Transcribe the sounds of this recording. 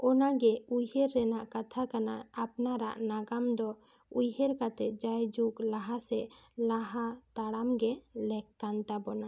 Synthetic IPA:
ɔnaɡɛujheɾːɛnaʔkat̪ʰakanaːpnaɾa̰ʔnaɡamd̪ɔ | ujheɾkat̪ɛt̪̚d͡ʒajd͡ʒuklaɦasɛlaɦat̪aɽamɡɛlɛkːant̪abɔna

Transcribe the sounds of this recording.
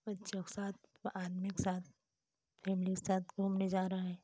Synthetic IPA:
bɐtːʃʰakesaːt̪̚ʰʔaːd̪mikesaːt̪̚ʰ | fʰɛːmɪlikesaːt̪̚ɡoːmned͡ʒaːɾɐaɦɛ̃ː

